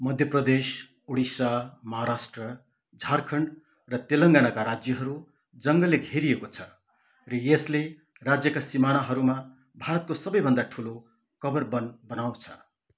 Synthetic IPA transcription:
mʌd̪ʱjʌprʌd̪es | uɽisamʌɦaɾasʈrʌ | d͡zʱarkʰʌɳɖ | rʌt̪elʌŋɡanakaɾad͡zjʌɦʌɾu | d͡zʌŋɡʌleɡʱeɾijekot͡sʰʌ | rʌjesle | rad͡zjʌkasimanaɦʌɾuma | bʱaɾʌt̪̚kosʌbʌjbʱʌnd̪aʈʰulo | kʌbʌrbʌnbʌnaw̃t͡sʰʌ̥

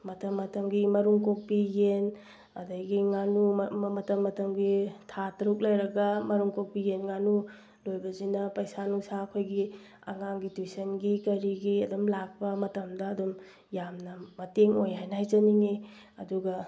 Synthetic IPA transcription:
mɐtɐmːɐtɐmɡimɐɾuŋkok̚pijen | ɐ̰dɐjɡiŋanumɐtɐmːɐtɐmɡitʰatɾuk̚lɐjɾɐɡɐmɐɾuŋkok̚pijenŋanu | lojbɐzinɐpɐjsanusakʰojɡi | ɐ̰ŋaŋɡitwusɐnɡikɐɾiɡiɐdumlak̚pɐmɐtɐmdɐːdum | jamnɐmɐteŋojɦajnɐajzɐniŋi | ɐ̰duɡɐ

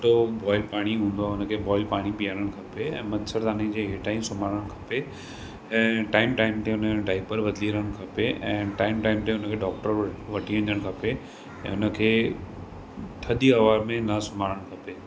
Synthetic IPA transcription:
ʈobɔːipaːɽ̃iɦũːn̆d̪oʊnə̆kʰeːbɔːipaːɽ̃ipijaːɾəɽ̃kʰɐpeɛ̃ːmɐd̪səɾt̪aːnĩd͡ʑeːɦeʈaːĩsʊmaːɾəɽ̃kʰɐ̥pe | ɛ̃ːʈaːɪmʈaːɪmt̪eʊnəɖaːɪpəɾbɐd̪liɾəəɽ̃̆kʰɐpeʔɛ̃ːʈaːɪmʈaːɪmt̪eʊnə̆kʰeːɖɔːk̚ʈəɾʋɐʈʰiʋɐ̃ɲd͡ʑəɽ̃kʰɐpe | ɛ̰̃ːʊnəkʰeː | t̪ʰɐɗ̪iɐʋaːɾmẽnɐsʊm̤aːɾəɽ̃kʰɐpeː

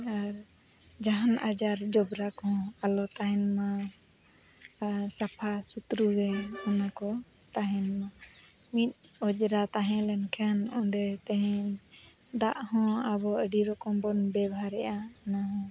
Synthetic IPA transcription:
aɾ | d͡ʒaɦanʔad͡ʒaɾd͡ʒɔbɾakɔɦɔ̃alɔt̪aɦɛnma | sapʰasut̪ɾuɡɛɔnakɔ | t̪aɦɛ̃nma | mit̪̚ˀɔd͡ʒɾat̪aɦɛ̃lɛnkʰanɔ̃ɖɛt̪ɛɦɛ̃ | d̪aʔhɔ̃aβɔəɖiɾɔkɔmbɔnbɛbʱaɾɛʔanaɦɔ̃

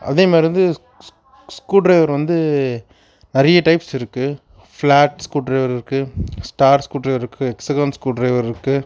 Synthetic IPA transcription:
ɐ̰ðeːmaːɾɪɾʋɐnd̪ɯ | skuːɖɾɐɪʋɐɾʋɐnd̪ɯ | nɐɾɐjɐʈɐɪpsɪɾɯkːɯ | flaːʈskuːʈɖɾɐɪʋɐɾɪɾɯkːɯsʈaːɾskuːɖrɐɪʋɐɾɪɾɯkːɯɛksɐɡɐnskuːɖɾɐɪʋɐɾɪɾɯkːɯ

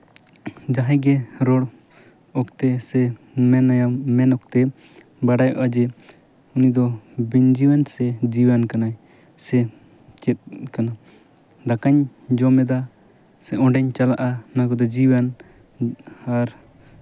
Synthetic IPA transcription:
d͡ʒaɦɛ̃ɡɛɾɔɽ | ɔkt̪ɛsɛ | mɛnajamɛnɔk̚t̪ɛ | baɽajɔ̰ʔad͡ʒɛ | unid̪ɔbiɲd͡ʒiwansɛd͡ʒiwankana | sɛ | t͡ʃɛt̪̚kana | d̪akaɲd͡ʒɔmɛd̪a | sɛʔɔ̃ɖɛɲt͡ʃalaʔanakɔd̪ɛd͡ʒiwan | aɾ

